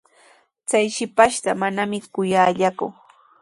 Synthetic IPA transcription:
t͡sajʃɪpaʃt̪amanamɪkʊjaːʎakʊ

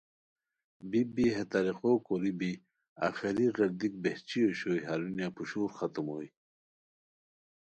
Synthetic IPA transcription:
bibiɦet̪aɾiqoːkoɾibi | a̰xiɾiɣɐɾd̪ik̚beht͡ɕioɕoːjɦaɾunjapuɕuːɾxat̪umoːj

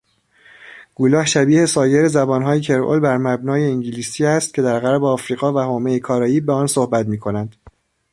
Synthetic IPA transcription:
ɡ̥ulɒːhʃæbiːhe̞sɒːje̞ɾezæbɒːnɦɒːjecʰe̞ɾo̰lbæɾmæbnɒːjeiŋɟiliːsiːæst̪̚cʲʰe̞d̪æɾɣæɾbeɒːfɾiːɣɒːvæhoːmejekʰɒːɾɒːjiːbeɒːnsohbæt̪miːkʰo̞nænd̪̥

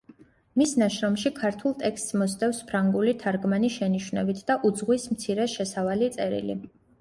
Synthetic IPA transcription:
misnaʃɾɔmʃikʰaɾt̪ʰulˠt̪ʼɛkst̪smɔst̪ʼɛfspʰɾaŋɡulit̪ʰaɾɡmaniʃɛniʃwnɛbit̪ʰd̪aʔud̪zʁwismt̪sʰiɾɛʃɛsavalit̪sʼɛɾḭlḭ

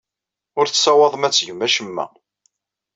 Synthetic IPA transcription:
ʊɾθsɑwɑðˤəmæt͡sːʝəmːæʃəmːæ̰

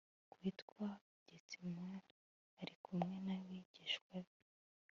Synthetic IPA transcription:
kwiːtkwa | ɟ̥et͡simwe | aɾikʰumŋenawiɟ̥iʃkwe

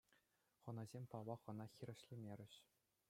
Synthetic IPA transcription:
χɤ̆nɑzʲemʲpɑʋɑχɤ̆nɑxʲiɾʲɘ̆ɕlʲĭmʲeɾʲɘ̆ɕ

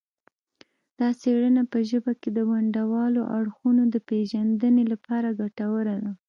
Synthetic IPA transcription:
d̪̥ɑseɽənapəʒəbaked̪əwaɳɖawɑloʔaɽxunod̪əpeʒand̪ənelapɑɾaɡaʈawəɾad̪a

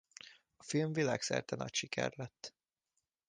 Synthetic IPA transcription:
ɒfilɱvilaːksɛ̰rt̪ɛnɒ̰cʃikʰɛ̰rlɛt̪ː

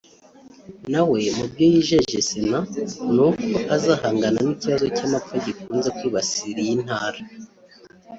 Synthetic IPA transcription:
nawe̞mubjo̞jiʒe̞ʒesinanukoʔazahaːŋɡananiciβazo̞camap͡faɟikuːnze̞kwiːβasiɾijin̥haːɾa

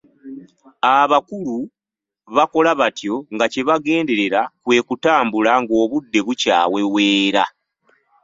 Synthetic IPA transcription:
aβakulu | βako̞laβatjo̞ŋɡace̞βaɡe̞ːnde̞ɾe̞ɾakwe̞ːkutaːmbulaŋɡo̞ːβudːe̞βuca̰ːwe̞we̞ːɾa̰

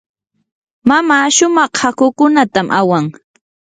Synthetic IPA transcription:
mamaːʃʊmɑχhakʊkʊnat̪amʔawaŋ

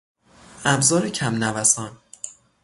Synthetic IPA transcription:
ʔæbzɒːɾecʰæmnævæsɒːn

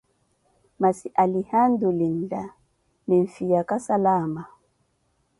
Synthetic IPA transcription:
masiʔalihandulin̩da | mɛɱfijakasalama

